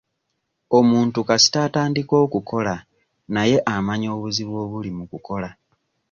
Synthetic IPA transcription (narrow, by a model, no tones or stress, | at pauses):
o̞muːntukasi̥tataːndiko̞ːkukʰo̞la | naje̞ʔamaɲo̞ːβuziβwo̞ːβulimukuko̞la